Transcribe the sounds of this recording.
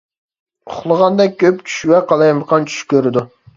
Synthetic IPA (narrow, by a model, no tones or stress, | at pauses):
ʊχlˠəʁɑnd̪ɛk̚ʲkʲʰːøpt͡ʃʰy̥ʃwɛqʰɑlˠɑjməqʰɑnt͡ʃʰy̥ʃkʲøɾɪd̪u